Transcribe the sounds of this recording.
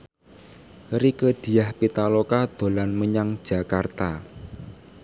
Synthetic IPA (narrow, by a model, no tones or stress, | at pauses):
rikəd̪̥i̤jahpit̪alokad̪̥o̤lanməɲaŋd̥ʒ̥ä̤kart̪a